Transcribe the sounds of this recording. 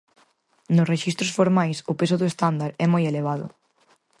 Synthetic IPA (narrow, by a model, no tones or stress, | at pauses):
nʊsreʃist̪ɾʊsfoɾmajsʊpesʊðʊest̪and̪aɾɛmojeleβ̞aðʊ̰